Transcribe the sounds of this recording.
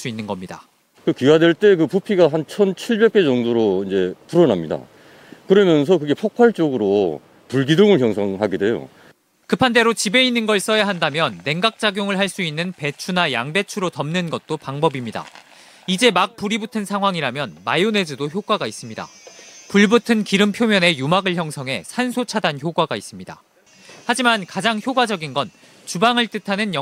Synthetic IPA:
ɭs͈uinːɯnɡʌmɲida̰ | kɯkɥiwadwe̞ɭt͈e̞kɯpupʰiɡaɦant͡ɕʰʌnt͡ɕʰiɭbe̞k̚k͈e̞d͡ʑʌŋdoɾoind͡ʑe̞puɾʌnamɲida̰ | kɯɾʌmjʌns̬ʰʌkɯɡe̞pʰok̚kʰaɭt͡ɕ͈oɡɯɾo | puɭɡidoŋɯɭçjʌŋsʰʌŋɦaɡede̞jo̰ | kɯpʰande̞ɾot͡ɕibe̞inːɯnɡʌɭs͈ʌjaɦandamjʌnːe̞ŋɡak̚t͡ɕ͈aɡjoŋɯɭɦaɭs͈uinːɯnpe̞t͡ɕʰunajaŋde̞t͡ɕʰuɾotʌmnɯnɡʌt̚t͈opaŋbʌbimɲida̰ | id͡ʑe̞mak̚p͈uɾibutʰɯnsʰaŋɦwaŋiɾamjʌnmajone̞d͡ʑudoçjoɡwaɡais͈ɯmɲida̰puɭbutʰɯnkiɾɯmpʰjomjʌne̞jumaɡɯɭçjʌŋsʰʌŋɦe̞sʰansʰot͡ɕʰadançjoɡwaɡais͈ɯmɲida̰ | had͡ʑimankad͡ʑaŋçjoɡwad͡ʑʌɡinɡʌn | t͡ɕubaŋɯɭt͈ɯtʰanɯnjʌ

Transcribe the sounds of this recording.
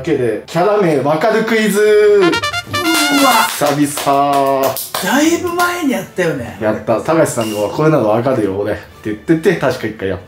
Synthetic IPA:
ke̞d̪e̞kʲaɾame̞βakaɾɯ̟kɯ̟izɨ | asabʲisɨ̥a | d̪̥aibɯ̟mae̞ɲ̟ijat̪ːajo̞nḛjat̪ːasaɡaɕi̥sãnːoβako̞enad̪oβakaɾɯ̟jooɾet̪ːejɯt̪ːe̞t̪ːet̪aɕi̥kaikːaija̰t̪ːa

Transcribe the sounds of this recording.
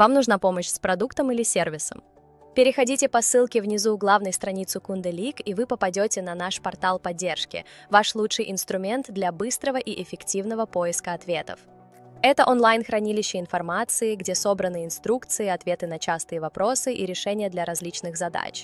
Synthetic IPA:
vamnuʐnapo̞məɕspɾɐd̪ukt̪əmilʲɪsʲervʲɪsə̰m | pʲɪɾʲɪxɐdʲitʲɪpɐsɨlˠkʲɪvnʲɪzuɡlˠavnəjst̪ɾɐnʲit̪sɨkund̪ɨlʲikivɨpəpɐdʲotʲɪnɐnaʂpɐrt̪alˠpɐdʲːe̞rʂkʲɪ̰vaʂlˠutʂɨjʔɪnst̪ɾʊmʲe̞nt̪d̪lʲɐbɨst̪ɾəvəʔiʔɪfʲɪktʲivnəvəpo̞jɪskəɐt̪vʲe̞t̪ə̰f | ɛt̪əʔonlˠajnxɾɐnʲilʲɪɕːɪɪnfɐrmat̪sɨɪɡdʲeso̞bɾənɨɪnst̪ɾukt̪sɨɪɐt̪vʲe̞t̪ɨnɐt͡ɕast̪ɨjəvɐpɾo̞sɨʔiɾʲɪʂɛnʲɪjəd̪lʲɐɾɐzʲlʲit͡ɕnɨɣzɐd̪a̰t͡ɕ

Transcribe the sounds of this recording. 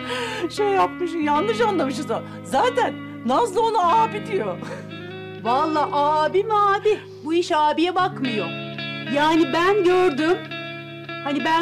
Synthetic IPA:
ʃejːapmɯʃ̬ɯnjannɯʃ̬anlˠamɯʃ̬ɯnza | zaːt̪ʰænː | aslˠaonaaːpid̪ijo | valˠːaːʔaːbimaːd̪i | buiʃaːbijɛbakmɯjo̞̰ | jaːnibænɟøɾd̪ym | hanibæ

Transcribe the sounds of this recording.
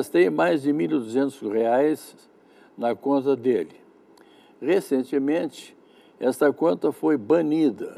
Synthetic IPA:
st̪ejmajzd͡ʒɪmilod̪uzẽnt̪ʊsʁeajz̥ | nɐkõnt̪ɐd̪elɪ | ʁesẽnt͡ʃɪmẽt͡ʃɪ̥ | ɛst̪ɐkõnt̪ɐfojbɐ̃nid̪ɐ̰

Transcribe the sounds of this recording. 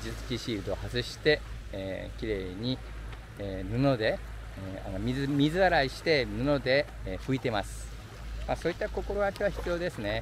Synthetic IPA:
d͡ʑɨt͡sɨ̥kʲiɕiːɾɯd̪oohazɨɕi̥t̪e̞ | kʲiɾe̞ːɲ̟i | nɯ̟no̞d̪e̞ | a̰nomʲizɨmʲizɨaɾaiɕi̥t̪e̞nɯno̞d̪e̞ | ɸɯ̟it̪e̞masɨ̥ | maso̞ːit̪ːako̞ko̞ɾo̞ɡakʲiβaçi̥t͡sɨijo̞ːd̪e̞sɨne̞

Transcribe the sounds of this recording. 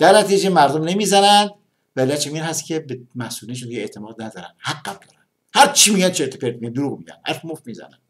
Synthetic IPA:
d̪̥æɾnæt̪ʰid͡ʒemæɾd̪omne̞miːzænænd̪ | væelːæt͡ʃæmiːnhæst̪cʰʲebemæhsuːliʃ̬und̪iɡeet̪ʰemɒːd̪næd̪ɒːɾæ̰n̥hæɡːæb̥̚d̪ɒːɾænd̪ | hæɾt͡ʃʰimiːɟænt͡ʃʰeɾt̪ʰepeɾt̪miænd̪oɾuːɣmiɟæ̰nhæ̰ɾfmofmiːzæ̰næ̰nd̪̥

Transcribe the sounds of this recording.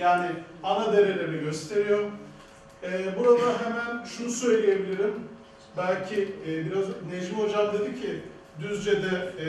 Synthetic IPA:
jaːnɪanad̪e̞ɾeɾʲeɾɛɟø̞st̪ʰe̞ɾijoɾ | ɛːbuɾad̪aɦemænʃunusø̞jlʲije̞bilʲiɾim | bælʲcʰibiɾazned͡ʒimo̞d͡ʒamd̪e̞d̪ɯcʰɪ | d̪yzd͡ʒed̪ɛ

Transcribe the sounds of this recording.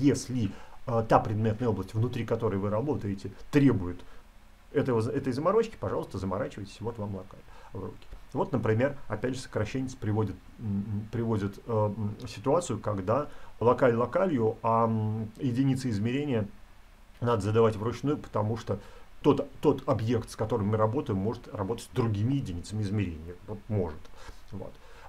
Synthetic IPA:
jesʲlʲɪət̪apɾʲɪd̪mʲe̞t̪nəjəo̞blˠəsʲtʲvnʊt̪ɾʲikɐt̪o̞ɾəjvɨɾɐbo̞t̪əjɪtʲɪt̪ɾʲe̞bʊjɪt̪ | ɛt̪əvəzɛt̪əjzəmɐɾo̞t͡ɕkʲɪ̥pɐʐɑlˠəst̪əzəmɐɾat͡ɕɪvəjtʲɪsʲvo̞t̪vamlˠɐka̰lʲvrukʲɪ̥vo̞t̪nəpɾʲɪmʲe̞rɐpʲædʲʐɨsə̥kɾɐɕːenʲɪt̪sə̥pɾʲɪvodʲɪt̪ | pɾʲɪvo̞zʲɪt̪əsʲɪ̥t̪ʊat̪sɨjʊkɐɡd̪alˠɐkalʲlˠɐkalʲjʊajɪdʲɪnʲit̪səɪzmʲɪɾʲenʲɪjə | nad̪əzəd̪ɐvatʲvɾʊt͡ɕnujʊpə̥t̪ɐmuʂt̪ot̪o̞t̪ːo̞t̪ɐbje̞kt̪skɐt̪o̞ɾɨmːɨɾɐbo̞t̪əjɪmːo̞ʐɨt̪rɐbo̞t̪ə̥tʲzd̪ɾʊɡʲimʲɪjɪdʲɪnʲit̪səmʲɪɪzmʲɪɾʲenʲɪjəvot̪̚mo̞ʐɨt̪vo̰t̪

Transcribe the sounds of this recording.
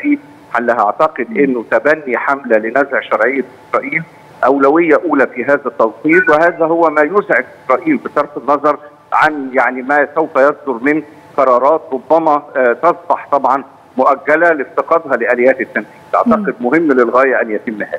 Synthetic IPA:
iːd | ħanlːæhʔa̰ʕt̪ɑqed̪ʔɪnːʊt̪æbænːiħamlælɪnæzʕʃɑɾˤʕejːaʔɪsɾˤɑːʔiːl | ʔæwlæwɪjːæʔuːlæfiɦæːðæt̪ːɑwsˤiːlweɦæːðæɦʊwːæmæːjʊzʕeɡ̪ʔɪsɾˤɑːʔiːlbɪt̪ɑɾˤfɪnːɑzˤɑɾˤ | ʕanjaʕnimæsæwfæjɑsˤd̪ʊɾmɪn | qɑɾˤɑːɾˤɑːt̪ɾˤobːæmæt̪ɑzˤbɑħt̪ˤɑbʕɑn | mʊʔæɡːælælɪft̪ɑqɑd̪ˤɦɑlɪʔælɪjːæːt̪ɪt̪ːænfiːd̪̥ʔɑ̰ʕt̪ɑqed̪̚mʊɦɪmːlɪlɣæːjæʔænjæt̪ɪmːhæ̰ːðæ

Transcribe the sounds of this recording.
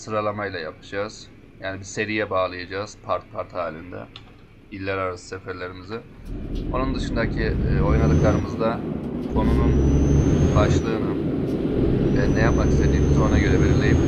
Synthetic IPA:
sɯɾalˠamajlʲˠajapʰɯ̥d͡ʒaːz̥ | jaːnibise̞ɾijɛbaːlˠɯjad͡ʒaːz̥pʰaɾt̪̚pʰaɾt̪haːlʲind̪ɛ̰ | ilʲːæɾaɾasɯ̥sefæɾlʲe̞ɾimizɯo̞nund̪ɯʃɯnd̪acʰio̞jnad̪ɯklˠaɾɯmɯzd̪akʰo̞nunun | baʃlˠɯːnɯ | ɛnɛjapmaki̥st̪ʰed̪iːmizo̞naɟø̞ɾɛbelʲiɾlʲejim

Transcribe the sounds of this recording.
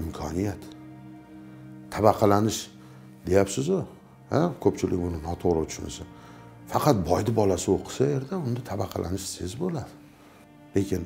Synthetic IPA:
ɪmkʰɒnijat̪ | abɑqʰɑlanɪʃ | d̪e̞japsɪzʊ | hakʰɵpt͡ʃʰɪlɪ̰kʲbʊnɪnɒt̪ʰoʁɾɪt̪ʰʊ̥ʃʊnɪ̰sɪ | fɑqʰɑt̪̚bɒjd̪ɪbɒlasɪoqʰɨ̥saje̞ɾd̪aʊnd̪at̪ʰabɑqʰɑ̰lʔa̰nɪʃsɪzbolad̪ɪ | lekʲʰɪn

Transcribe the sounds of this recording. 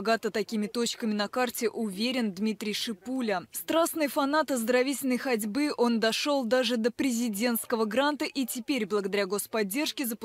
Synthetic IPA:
ɡat̪ət̪ɐkʲimʲɪt̪o̞t͡ɕkəmʲɪnɐkartʲɪʔʊvʲeɾʲɪnd̪mʲit̪ɾʲɪjʂɨpulʲəst̪ɾasnɨjfɐnat̪əzd̪əɾɐvʲitʲɪlʲnəjxɐdʲbɨʔo̞nd̪ɐʂo̞lˠd̪aʐɨd̪əpɾʲɪzʲɪdʲe̞nt̪skəvəɡɾant̪əʔitʲɪpʲeɾʲblˠəɡəd̪ɐɾʲaɡo̞spɐdʲːe̞rʂkʲɪzəpʊ

